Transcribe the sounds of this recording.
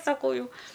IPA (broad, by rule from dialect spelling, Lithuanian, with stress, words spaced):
sɐˈkɐʊ ˈjɛʊ